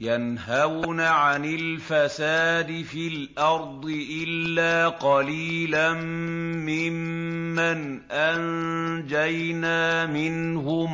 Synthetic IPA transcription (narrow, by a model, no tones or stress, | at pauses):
janɦawnaʕanɪlfasaːd̪ɪfilʔɑɾˤd̪ˤɨʔɪlːaːqɑliːlammɪmːanʔand͡ʒajnaːmɪn | ɦʊm